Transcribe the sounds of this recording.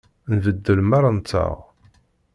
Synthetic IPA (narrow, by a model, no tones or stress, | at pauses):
nvəd̪ːəlmaɾˤant͡sːə̰ʁ